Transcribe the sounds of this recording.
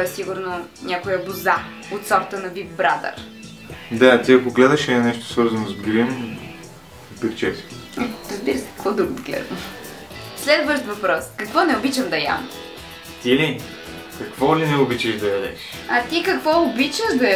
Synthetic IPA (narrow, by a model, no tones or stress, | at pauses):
ɛsiɡʊɾno | nʲakʊjəbʊza | ot̪sɔɾt̪ənɐbibbɾad̪ɐ̰ɾ | d̪at̪iɐkoɡlɛd̪ɐʃɛnɛʃt̪o̥svɤɾzɐnozɡɾim | pɛɾt͡ʃɛsɛɾəzbiɾəsɛ̥ə̥kvɔd̪ɾuɡ̪ɡlɛ̰ɾo | slɛd̪vəʃt̪vɐpɾɔskɐkvɔnɛʊbit͡ʃəmd̪ɐja̰m | t̪ili | kɐkvɔlinɛʊbit͡ʃəʃd̪ɐjɐd̪ɛ̰ʃ | ɐt̪ikɐkvɔʊbit͡ʃəʒd̪ɐ